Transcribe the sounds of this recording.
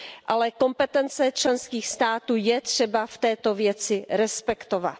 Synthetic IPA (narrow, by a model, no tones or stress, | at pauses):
ʔalɛko̞mpɛt̪ɛnt͡sɛt͡ʃlɛnskiːxst̪aːt̪uːjɛt̪r̝̥ɛbaft̪ɛːt̪o̞vjɛt͡sɪɾɛspɛkt̪ova̰t̪